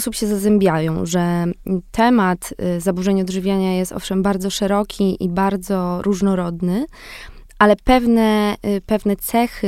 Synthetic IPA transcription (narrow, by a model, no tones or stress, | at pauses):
ɔsupɕɛzazɛmbʲjajɔ̃w̃ʐɛt̪ʰɛmat̪zabuʐɛɲɔd̪ʐɘvʲjaɲajɛst̪ɔ̰fʂɛmbaɾd̪zɔʂɛɾɔkʲʰiʔibaɾd̪zɔɾʔuʐnɔɾɔd̪nɘ | ʔalɛpɛvnɛpɛvnɛt̪sɛxɘ